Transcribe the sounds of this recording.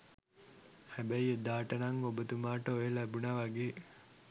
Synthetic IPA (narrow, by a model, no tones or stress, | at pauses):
hæbæjed̪aːʈɐnɐŋobət̪umaːʈəojelæbunaʋɐɡeː